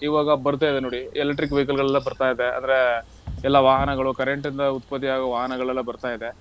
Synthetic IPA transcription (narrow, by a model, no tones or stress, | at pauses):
iːʋaːɡɐbɐɾt̪̬aːjd̪enoːɽielekʈːɾik̬ːʋek̬ɐlɡɐɭɛlːɐbɐɾt̪aːjid̪e̞ɐ̰nd̪ɐɾe | ɛlːɐʋaːɦɐnɐɡɐɭukɐɾeɳʈɾind̪ɐut̪̚pɐt̪̬ːiaːɡɐʋaːɦɐnɐɡɐɭɛlːɐbɐɾt̪aːjid̪e̞